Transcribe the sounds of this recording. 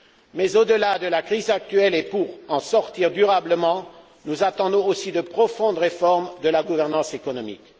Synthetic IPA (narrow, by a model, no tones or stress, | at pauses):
mɛzod̪əlad̪əlakχizak̚t̪ɥɛlepuʁɑ̃sɔʁt̪iʁd̪yʁabləmɑ̃ | nuzat̪ɑ̃d̪ɔ̃osid̪əpχɔfɔ̃d̪ʁefɔʁmd̪əlaɡuvɛʁnɑ̃sekɔnɔmḭk